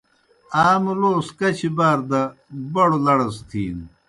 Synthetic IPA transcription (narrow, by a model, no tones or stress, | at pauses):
aːmloːskɐt͡ɕʰibaːɾd̪ɐbɐɽolɐɽɐst̪ʰiːn